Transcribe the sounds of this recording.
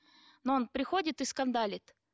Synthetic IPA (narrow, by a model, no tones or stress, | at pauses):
noonpɾʲɪxo̞dʲɪt̪ɨskɐnd̪alʲɪt̪